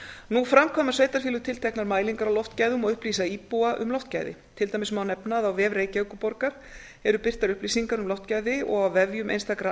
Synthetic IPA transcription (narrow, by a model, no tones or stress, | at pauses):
nufɾamkʰɔːmḁsejt̪aɾ̥fiːlʏt̪ʰɪlt̪ʰɛknaɾmaːjliŋkaɾawlɔft̪cajðʏmɔɣʏhpliːsaiːpuaʔʏ̰mlɔwft̪ca̰ːjðɪ̰t̪ʰɪlt̪aːjmɪsmawnɛpnaðawvɛːvɾeːjcaːwkʏpɔɾkaɾ̥ | ɛɾʏpɪr̥t̪aɾʏhpliːsiŋkaɾʏmlɔft̪cajðɪɔ̰ɣawvɛvjʏmḛjnst̪akɾa